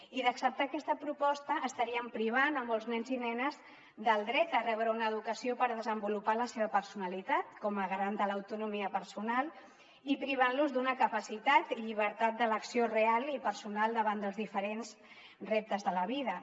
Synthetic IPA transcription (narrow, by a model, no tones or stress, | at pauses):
iðəksəp̚t̪aːkɛst̪əpɾupɔst̪əʔːst̪əɾiəmpɾiβ̞anəmɔlˠznɛnzinɛnəz | d̪əlˠd̪ɾɛt̪ərɛβɾəunəːðukəsiopəɾðəzəmbulupaləseβəpəɾsunəlit̪at̪kɔməɣɾand̪ələwt̪unumiəpəɾsunalˠ | ipɾiβ̞anluzd̪unəkəpəsit̪at̪iʎiβ̞əɾt̪at̪̚d̪ələksiorealipəɾsunalˠd̪əβand̪əlzðifəɾenz | rep̚t̪əzðələβiðə